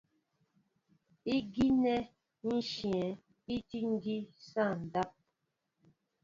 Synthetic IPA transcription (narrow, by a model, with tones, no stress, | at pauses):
i˦ɡi˦nɛ˦ | n̩˦ʃjɛ˨˦ | i˦ti˦ŋ̩˦ɡi˦sã˦˨n̩˨da˦p̚